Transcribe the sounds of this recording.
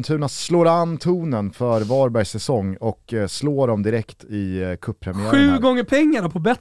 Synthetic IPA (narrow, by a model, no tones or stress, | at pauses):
nt̪ʰʉ̟ːnassloːɾanːt̪ʰuːnənfœɾvɑːɾbæɾjsɛsɔŋːɔksloːɖɔmd̪ɪɾɛkt̪ɪkʰɵpːpʰɾɛmɪæɧʉ̟ːɡɔŋːəpʰɛŋːaɾapʰɔbɛt̪